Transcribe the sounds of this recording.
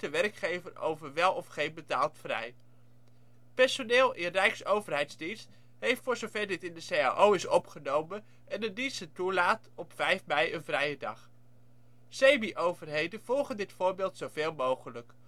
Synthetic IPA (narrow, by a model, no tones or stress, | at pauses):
əʋɛrkχejvəro̰wvəɹʋɛlˠɔfχejnbətaːlˠtfrɛ̰j | pɛɹsonɪːlˠʔɪnrɛjksowvərɦɛjtzdinst | ɦejftfʊːɹzowvɛɹdɪtɪndəseja̰ʔowɪsɔpχənowmən | ɛnədisətulaːtɔpfɛjfmɛjənvrɛjədɑ̰χ | sejmiʔowvəɹɦejdənv̥ɔlˠχəndɪtfʊːɹbɪːlˠtsowveːlˠmowχələk